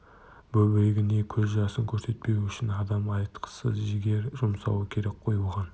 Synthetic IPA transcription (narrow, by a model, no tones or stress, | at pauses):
bɵbɪɾɪɡʲɪne̞kʲʰɵzʒɑsəŋkʲʰɵɾse̞t̪̚pe̞ʏʃɪnɑd̪ɑmɑjət̪qʰə̥səzʒɪɡʲe̞ɾʒʊmsɑ̰wəkʲʰe̞ɾek̚qʰo̞julˠʁɑn